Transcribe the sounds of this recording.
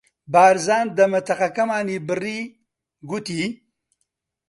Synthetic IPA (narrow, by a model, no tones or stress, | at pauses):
baːɾzaːnd̪ɐmɐt̪ɐqɐkɐmaːnibɨri | ɡut̪i